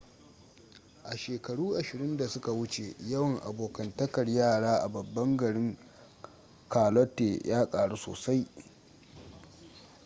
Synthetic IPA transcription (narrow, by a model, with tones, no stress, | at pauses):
ʔa˨ʃeː˨kɐ˨ɽuː˦ʔa˨ʃɪ˨ɾɪ˦nda˨sʊ˦ka˨wʊ˦t͡ʃe˨jɐ˦wɐ˨ŋʔa̰˨boː˨kɐ˨ntɐ˦kɐ˨rjaː˦˨ɽaː˦ʔa̰˨bɐ˨bːɐ˦ŋɡɐ˨ɽɪ˦ŋ | kaː˨lɔ˦tːe˨jʔaː˦kʼaː˨ɽu˦so̰ː˨sa˦j